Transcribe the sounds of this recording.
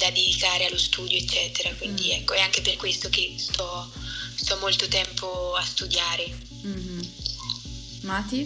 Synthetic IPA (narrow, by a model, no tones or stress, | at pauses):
d̪ad̪id̪ikaːɾealːost̪uːd̪joet͡ʃt͡ʃːɛːt̪eɾakwind̪iɛkːoɛaŋk̟eperkwest̪okest̪ɔ | st̪ɔmːolt̪ot̪ɛmpʰoast̪ud̪jaːɾe | mat̪i